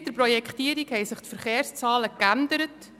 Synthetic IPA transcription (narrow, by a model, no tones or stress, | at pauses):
d̥̪əɾprɔjɛkχt̪iːəɾikhɛjsɪχt̪fəɾχeːrst͡sɑːləkænd̪əɾət